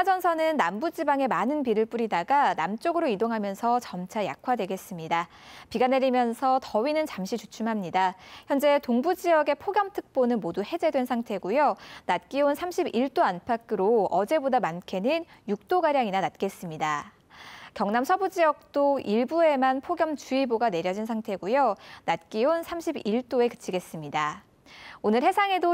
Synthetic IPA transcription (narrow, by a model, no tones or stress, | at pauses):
sʰad͡ʑʌnsʰʌnɯnːambud͡ʑibaŋe̞manɯnpiɾɯɭp͈uɾidaɡanamt͡ɕ͈oɡɯɾoidoŋɦamjʌnsʰʌt͡ɕʌmt͡ɕʰaja̰kʰwadwe̞ɡe̞s͈ɯmɲida | piɡane̞ɾimjʌnsʰʌtʌɥinɯnt͡ɕamɕʰit͡ɕut͡ɕʰumɦamɲidaçjʌnd͡ʑe̞toŋbud͡ʑiʌɡe̞pʰoɡjʌmtʰɯk̚p͈onɯnmoduhe̞d͡ʑe̞dwe̞nsʰaŋtʰe̞ɡujonat̚k͈ionsʰamɕʰibiɭt͈oanpʰakʰɯɾoʌd͡ʑe̞bodamankʰe̞nɯnjuk̚t͈oɡaɾjaŋinanat̚k͈e̞s͈ɯmɲida | kjʌŋnamsʰʌbud͡ʑijʌk̚t͈oiɭbue̞manpʰoɡjʌmt͡ɕuiboɡane̞ɾjʌd͡ʑins̬ʰaŋtʰe̞ɡujonat̚k͈ionsʰamɕʰibiɭt͈oe̞kɯ̥t͡ɕʰiɡe̞s͈ɯmɲida | onɯɾhe̞sʰaŋe̞do